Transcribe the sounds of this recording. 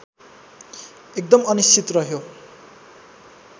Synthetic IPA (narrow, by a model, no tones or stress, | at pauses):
ek̚d̪ʌmʌnist͡sit̪rʌɦjo